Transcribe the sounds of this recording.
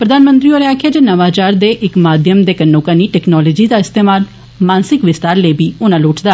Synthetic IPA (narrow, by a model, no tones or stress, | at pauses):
pɾəd̪aːnmə̃nt̪ɾiːoːɾeaːkʰjaːd͡ʒeːnəʋaːt͡ʃaːɾd̪eːʔɪkmaːd̪ʱjəmd̪eːkənːõːkaniːʈɛːknɔːlɔːd͡ʒiːd̪aːɪst̪eːmaːl | mãːnsɪkʋɪst̪aːɾleːbiːʊnãːloːʈd̪aː